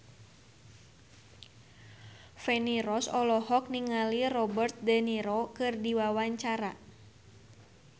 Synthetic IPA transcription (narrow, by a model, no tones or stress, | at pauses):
fɛniɾɔsɔlɔhɔk̚niŋalirɔbərt̪̚dɛniɾokɨrdiwawaɲt͡ʃaɾa